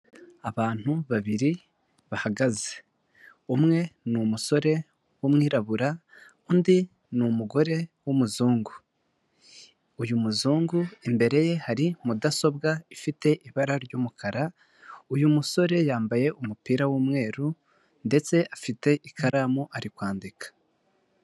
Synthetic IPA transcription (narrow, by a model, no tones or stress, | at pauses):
aβaːn̥huβaβiɾi | βahaɡaze | umŋe̞numuso̞ɾe̞ | womŋiːɾaβuɾa | undi | numuɡo̞ɾe̞womuzuːŋɡu | ujumuzuːŋɡuimbe̞ɾe̞je̞haɾimudaso̞bɡaifite̞ʔiβaɾaɾɟuːmukʰaɾa | ujumuso̞ɾe̞jaːmbaje̞ʔumupiːɾawuːmŋe̞ːɾu | nde̞t͡se̞ʔafite̞ʔikʰaɾaːmuʔaɾikwaːndikʰḁ